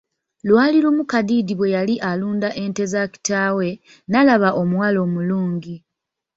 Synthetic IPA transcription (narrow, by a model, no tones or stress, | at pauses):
lwaːliɾumukadiːdiβwe̞jaliʔaluːndaʔe̞nte̞zaki̥taːwe̞ | nalaβaʔo̞mwalo̞ːmuluːŋɟi